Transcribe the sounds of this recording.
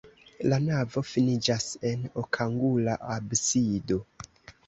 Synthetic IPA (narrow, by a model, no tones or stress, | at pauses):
lanavo̞finid͡ʒase̞nokʰaŋɡulaʔabsido̞